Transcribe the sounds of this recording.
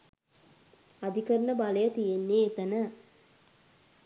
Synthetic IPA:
ad̪ikəɾnəbaləjət̪ijenːeːt̪ənə

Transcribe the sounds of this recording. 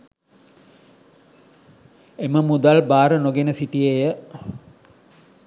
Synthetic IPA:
eməmud̪albaːɾənoɡenəsiʈijejə

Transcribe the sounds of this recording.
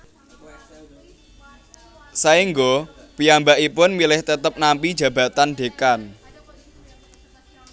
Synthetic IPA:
saiŋɡo | pijambaʔipʊnmilɪht̪ət̪əp̚nampid̥d͡ʒ̥ä̤b̥ä̤t̪anɖ̥e̤kan

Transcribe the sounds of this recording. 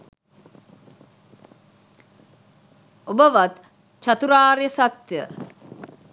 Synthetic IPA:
obəʋat̪ | t͡ʃat̪uɾaːɾjəsat̪jə̰

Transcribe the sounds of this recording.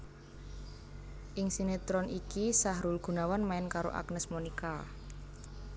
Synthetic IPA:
ʔɪŋsinet̪ɾɔnʔikisaɦɾulɡ̥ṳnawanmaɪnkaɾo̰ʔa̰knəsmonika

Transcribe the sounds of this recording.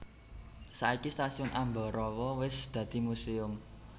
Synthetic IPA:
saikist̪asiʊnʔambɔ̤ɾɔwɔwɪsd̪̥ä̤d̪̥i̤museʊm

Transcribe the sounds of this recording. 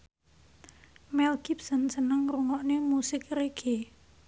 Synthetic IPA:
mɛlɡip̚sənsənəŋɾuŋɔʔnemusɪkreɡ̥e

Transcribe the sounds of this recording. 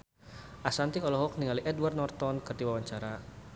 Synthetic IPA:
ʔasant̪iɔlɔɦɔk̚niŋaliʔɛdward̪̚nɔrt̪ɔnkɨrd̪iwawaɲt͡ʃaɾa

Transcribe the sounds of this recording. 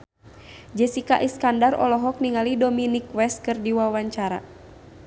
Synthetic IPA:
d͡ʒɛsikaʔiskandarɔ̰lɔɦɔk̚niŋalidɔminikwɛst̪̚kɨrdiwawaɲt͡ʃaɾa̰

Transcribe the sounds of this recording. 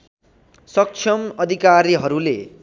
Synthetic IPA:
sʌk̚t͡ʃʰʌmʌd̪ʱikaɾiɦʌɾulḛ

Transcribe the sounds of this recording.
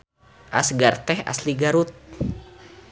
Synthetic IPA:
ʔa̰sɡart̪ɛha̰sliɡaɾut̪̚

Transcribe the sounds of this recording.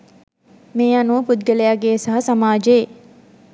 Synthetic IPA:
meːanuʋəpud̪ɡəlejaɡeːsɐɦɐsamaːd͡ʒee

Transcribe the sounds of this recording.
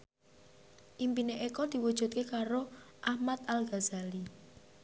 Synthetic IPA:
ʔimpineʔekɔd̪̥i̤wud̥ʒ̥ṳt̪̚kekaɾoʔahmat̪alɡazali

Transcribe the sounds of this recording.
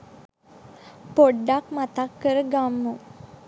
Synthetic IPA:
poɖːakmat̪akːəɾəɡamːu

